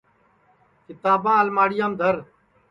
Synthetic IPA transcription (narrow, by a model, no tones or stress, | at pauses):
kɪt̪aːbãːəlmaːɽɪjaːmd̪ʱəɾ